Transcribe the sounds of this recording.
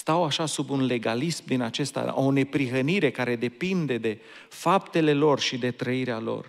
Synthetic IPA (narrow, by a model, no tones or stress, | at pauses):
st̪awaʃasubunle̞ɡalismd̪inat͡ʃe̞st̪a̰one̞pɾixəniɾe̞kaɾe̞d̪e̞pind̪e̞d̪e̞ | fap̚t̪e̞le̞lo̞rʃid̪e̞t̪ɾəiɾealo̞̰r